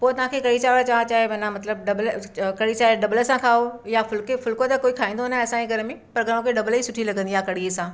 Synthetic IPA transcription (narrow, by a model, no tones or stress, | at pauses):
poːt̪ɐʋ̤ãːkʰekɐɽit͡ɕaːʋəɽt͡ɕaːʋat͡ɕaːɦeʋɐnãmɐt̪ləb̚ɖɐblkɐɽit͡ʃaːeɖɐbləsãkʰaːojafʊlkefʊlkot̪ɐkoːikʰaːĩːnd̪oɦnaɛːsãeɡʱɐɾmẽpɐɾɡʱɐɾ̃õkʰeɖɐblisʊʈʰilɐɡə̃nd̪iakɐɽiesãː